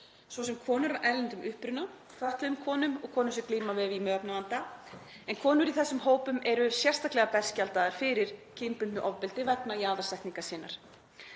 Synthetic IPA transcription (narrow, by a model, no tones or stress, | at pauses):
svɔs̬ɛmkʰɔːnʏɾamʔɛlːɛnt̪ʏmʔʏhpɾʏna | fʰœht̪lɪðʏmkʰɔːnʏmɔɣkʰɔːnʏmsɪkliːmavɛvimœːpnavant̪a | ɛnkʰɔːnʏɾiθɛsːʏmɦoːwpʏmɛɾʏsjɛr̥st̪ahklɛɣapɛr̥scalt̪aðaɾ̥fɪɾɪɾ̥cʰɪmpʏnnʏʔɔvpɪlt̪ɪvɛt̪naiaːðasɛhk̪niŋkasiːnaɾ̥